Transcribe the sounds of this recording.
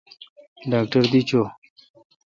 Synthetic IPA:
ɖaːkʈəɾd̪it͡ɕʰo

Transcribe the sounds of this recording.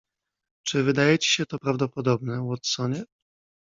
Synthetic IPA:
t͡ʂɘvɘd̪ajɛt͡ɕi̥ɕɛt̪ɔpɾavd̪ɔpɔd̪ɔbnɛwɔt̪sɔɲɛ

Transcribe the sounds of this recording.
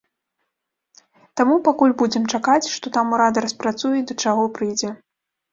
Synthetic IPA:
t̪amupakulʲbud͡zʲɛmt͡ʂakat͡sʲʂt̪ɔt̪amuɾad̪ɐɾɐspɾat̪sujɛd̪ɐt͡ʂaɣɔpɾɨjd͡zʲɛ

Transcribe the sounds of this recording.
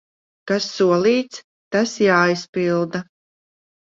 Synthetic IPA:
kasːuɔlˠiːt̪s | t̪asjaːjspilˠd̪a

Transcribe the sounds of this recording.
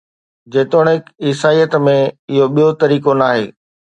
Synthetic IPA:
d͡ʑeːt̪oːɽ̃ɪkɪːsaːijət̪mẽɪɦoɓijot̪ɐɾiːkonaːɦeː

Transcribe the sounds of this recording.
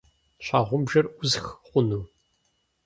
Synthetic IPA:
ɕaːʁʷʊmbʒɐrʔʷʊzxqʷʊnuː

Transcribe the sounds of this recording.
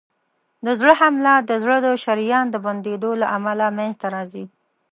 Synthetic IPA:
d̪əzɽəhamlad̪əzɽəd̪oʃaɾijɑnd̪əband̪ed̪olaʔamalameht̪aɾɑzi

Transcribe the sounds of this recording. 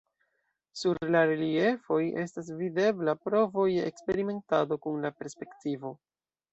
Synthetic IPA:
suɾlaɾelie̞fo̞je̞stas̬vide̞blapɾo̞vo̞jdeʔekspe̞ɾime̞ntado̞kunlape̞ɾspe̞ktivo̞

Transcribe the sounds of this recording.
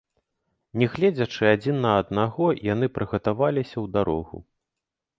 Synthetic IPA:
nʲɛɣlʲed͡zʲɐt͡ʂɨad͡zʲinːɐːd̪̚naɣɔjan̪ɨpɾɨɣɐt̪avalʲisʲɐwd̪aɾɔ̰ɣṵ

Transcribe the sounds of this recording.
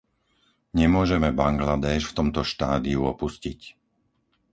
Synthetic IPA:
ɲɛmʊɔʒɛmɛbaŋɡlad̪ɛːʃft̪ɔmt̪ɔʃt̪aːd̪iuɔpuscic

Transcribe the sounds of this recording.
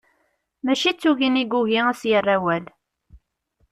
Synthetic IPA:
mæʃit͡sːuʝiniɡuɣiæsjərːæwæl

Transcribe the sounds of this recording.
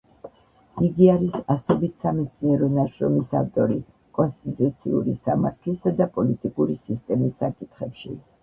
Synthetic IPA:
iɡiaɾisasɔbit̪ʰsamɛt̪sʰniɛɾɔnaʃɾɔmisa̰ft̪ʼɔɾi | kʼɔnst̪ʼit̪ʼut̪sʰḭṵɾisamaɾt̪ʰlisad̪apʼɔlit̪ʼikʼuɾisist̪ʼɛmisːakʼit̪ʰχɛpʃḭ

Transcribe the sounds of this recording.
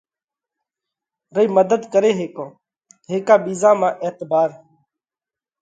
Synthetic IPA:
ɾəiːməd̪əd̪kəɾeːɦeːkõː | ɦeːkaːɓiːzãːmãːʔeːt̪baːɾ

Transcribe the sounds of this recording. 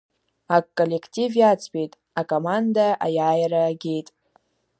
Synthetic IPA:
akkʼːo̞le̞kʰtʼivjat͡sʰʼpʲʼejtʼ | akʼomandaʔajaːjaɾaːɡʲe̞jtʼ

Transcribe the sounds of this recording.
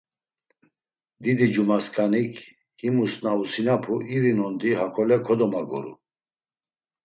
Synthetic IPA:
d̪id̪id͡ʒumaskʼanikʰ | himusnausinapʰuʔiɾinɔnd̪iɦakʰɔlɛkʰɔd̪ɔmaɡɔ̰ɾṵ

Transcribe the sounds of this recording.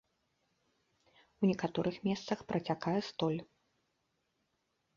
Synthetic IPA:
wnʲɛkat̪ɔɾɨxmʲɛst̪sɐxpɾɐt͡sʲakajɛst̪ɔlʲ

